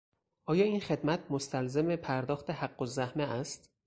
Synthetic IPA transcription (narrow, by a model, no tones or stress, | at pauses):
ʔɒːjɒːiːnxe̞d̪mæt̪̚ʰmost̪ʰælzemepʰæɾd̪ɒːxt̪e̞hæɢːozæhmeʔæst̪